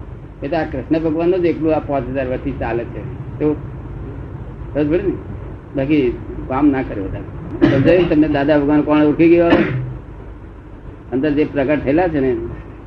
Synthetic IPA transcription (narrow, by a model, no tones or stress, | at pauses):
et̪oakɾɪsnəbʱəɡʋanːod͡ʒeklũapãt͡ʃɦəd͡ʒaɾʋəɾsit͡ʃalet͡ʃʰet̪o | əd͡ʒbəɽini | bakikamnakəɾebəd̪ʱaɾt̪əd͡ʒəjot̪əmned̪ad̪abʱəɡʋanokɔɳ̃uɾkʰiɡəjoɦəe | ənd̪əɾd͡ʒepɾəkəʈ̚t̪ʰəelat͡ʃʰene